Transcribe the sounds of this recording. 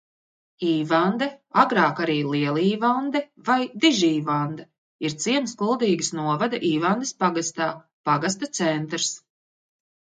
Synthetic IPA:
iːvand̪ɛaɡɾaːkaɾiːlˠiɛlˠiːvand̪ɛvajd̪iʒiːvand̪ɐ | iɾt̪siɛnsklˠulˠd̪iːɡɨsnuɔvad̪aʔiːvand̪espaɡast̪aː | paɡas̬t̪at̪sɛnt̪ɾs

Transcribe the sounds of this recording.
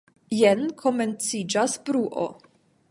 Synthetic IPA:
jenkʰoment͡sid͡ʒasbɾuʔo̰

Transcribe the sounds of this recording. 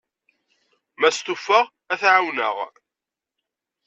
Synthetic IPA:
mæst̪ufəʁ | æθʕawnə̰ʁ

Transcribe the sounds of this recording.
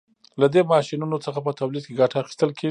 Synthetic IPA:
lad̪emɑʃinunot͡səxapət̪awlid̪̚keɡaʈaːxi̥st̪əlkʰe

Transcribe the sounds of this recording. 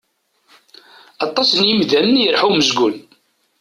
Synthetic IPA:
ɑt̪ˤːɑsənjəmðæmənjɾħuməzɡun

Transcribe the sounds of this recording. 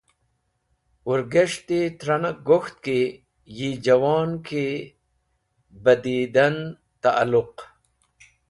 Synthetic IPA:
uɾɡeʂt̪et̪ɾɐnɐɡoxt̪̚ke | jid͡ʑɐwaːnkʰe | bɐd̪iːd̪ɐn | t̪aʔa̰lʊq

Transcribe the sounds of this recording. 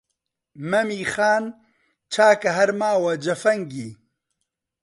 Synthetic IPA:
mɐmiːxaːn | t͡ʃʰaːkɐɦɐɾmaːwɐd͡ʒɐfɐŋɡiː

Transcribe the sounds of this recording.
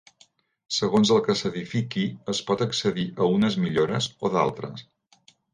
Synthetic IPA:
səɣ̞onzəlˠkəsəðifikiəspɔt̪əksəðiʔəunəzmiʎoɾəzoða̰lˠt̪ɾə̰s

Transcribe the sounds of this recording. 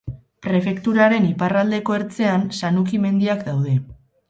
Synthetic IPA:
pɾe̞fe̞kt̪uɾaɾe̞niparald̪e̞ko̞e̞ɾt͡se̞ansanukime̞nd̪iakd̪awð̞e̞

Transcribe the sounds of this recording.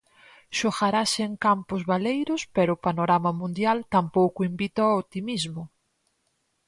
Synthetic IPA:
ʃoxaɾasɪeŋkampʊzβalejɾʊspɛɾʊːpanoɾamɐmũnd̪jalt̪ampowkʊimbit̪oaot̪imizmʊ

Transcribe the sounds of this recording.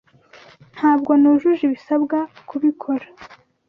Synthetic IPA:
n̥haːbɡonuʒuʒiβisabɡakʰuβikʰo̞ɾa

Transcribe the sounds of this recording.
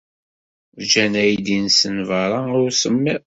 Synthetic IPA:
d͡ʒænæjd̪insənvɑɾˤɑʊɾsəmːi

